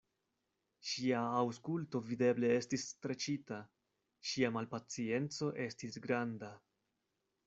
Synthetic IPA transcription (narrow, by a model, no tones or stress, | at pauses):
ʃiaːwskulto̞vide̞ble̞e̞stistɾe̞t͡ʃita | ʃiamalpat͡sie̞nt͡so̞ʔe̞stisɡɾanda